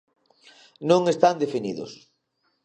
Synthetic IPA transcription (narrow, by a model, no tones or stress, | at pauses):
nõŋest̪and̪efiniðʊ̰s